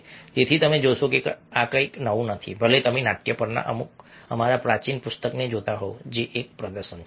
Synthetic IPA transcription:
t̪et̪ʰit̪əmẽd͡ʒosokekakəiknəʋũnət̪ʰḭbʱəlet̪əmẽnaːʈ̚kjəpəɾna̰ʔə̰mʊk̚ | ə̰maːɾapɾaːt͡ʃinpʊst̪əkned͡ʒoːt̪aɦod͡ʒeʔeːk̚pɾəd̪əɾʃən

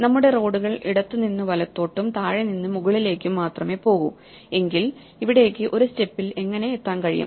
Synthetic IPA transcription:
nɐmːuɽe̞ro̞ːɽuɣɐɭiɽɐt̪ːuninːɨʋɐlɐt̪ːo̞ːʈːumt̪aːɻeninːɨmuɣɐɭile̞ːkʲːumːaːt̪rɐme̞ːpo̞ːɣṵm | e̞ŋɡil | iʋiɽe̞ːkːɨʔo̞ɾuste̞pːile̞ŋːɐne̞et̪ːaːnkɐɻijṵm

